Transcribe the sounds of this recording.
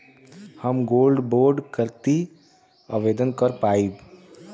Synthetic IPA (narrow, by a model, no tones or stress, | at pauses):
həmɡoːlɖboːɾɖkəɾt̪i | əʋed̪ənkəɾpaːib